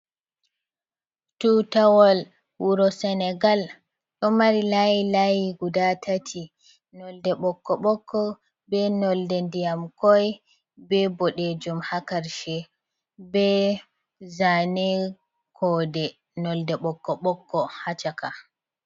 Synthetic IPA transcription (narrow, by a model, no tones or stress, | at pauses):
tutawɔl | huɾɔsɛnɛɡal | ɗɔmaɾilajilajiɡudatʰatʰi | nɔldɛɓɔkːɔɓɔkʰːɔ | bɛnɔldɛndijamkɔj | bɛbɔɗɛd͡ʒɔmhakaɾʃɛ | bɛ | zanɛ | kʰɔdɛ | nɔldɛɓɔkːɔɓɔkʰːɔhat͡ʃaka